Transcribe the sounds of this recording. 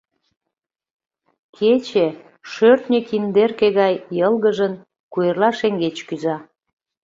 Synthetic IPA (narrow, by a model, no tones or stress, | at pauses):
kʰet͡ɕe | ʃørt̪nʲəkind̪erkeɣɑjːəlɣəʒən | kujərlɑʃeŋɡet͡ɕkyzɑ